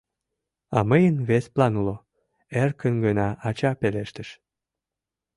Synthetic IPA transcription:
ɑməjənβesplɑnulo | erkənɡənɑʔɑt͡ɕɑpeleʃt̪əʃ

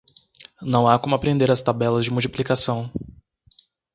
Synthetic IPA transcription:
nɐ̃w̃akõmʊapɾẽnd̪eɾɐst̪abɛlɐzd͡ʒɪmuwt͡ʃiplikasɐ̃w̃

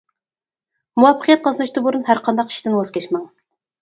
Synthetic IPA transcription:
muɑpːəqʰijɛt̪̚qʰɑzɨnɨʃt̪ɨbuɾunhæɾqʰɑnd̪ɑqi̥ʃt̪ɪnwɑz̥kʲɛt͡ʃmɑŋ

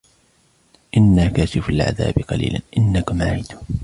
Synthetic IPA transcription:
ʔɪnːaːkaːsɪfʊlʕa̰ða̰ːbɪqɑlḭːla̰nʔɪnːakʊmaʕiːd̪ʊ

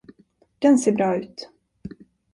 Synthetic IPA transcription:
d̪̥ɛnseːbɾɑːʉ̟ːt̪

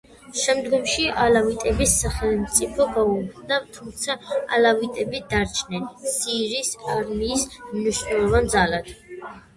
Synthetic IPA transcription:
ʃɛmd̪ɡɔmʃiʔalavit̪ʼɛbisːaχɛlmt̪sʼipʰɔɡaubd̪at̪ʰumt̪sʰaa̰lavit̪ʼɛbid̪aɾt͡ʃʰnɛnsiɾisaɾmiːsmniʃnɛlˠɔvand̪zalad̪̥

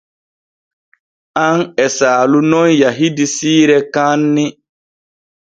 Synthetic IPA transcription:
aŋɛsaːlunɔnjaɦidisiːɾɛkanːi

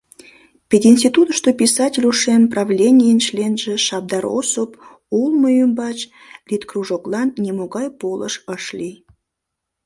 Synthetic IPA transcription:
pʲed̪ʲinsʲtʲit̪ut̪əʃt̪opʲisɑtʲɪlʲuʃemprɑvlʲenʲijənʃlʲenʒeʃɑb̚d̪ɑɾo̰sop | ulˠməjymbɑt͡ɕ | lʲit̪kruʒoklˠɑnːʲemoɣɑjpolə̰ʃəʃlʲi

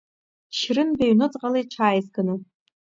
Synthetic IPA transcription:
ʃrɨnbaɥnɨt͡sʼqʼalejʈ͡ʂʰaːjzɡɨnu

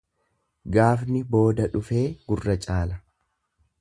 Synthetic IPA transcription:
ɡaːfnɪbo̞ːd̪ɐᶑʊfe̞ːɡʊrːɐt͡ʃʼaːlɐ

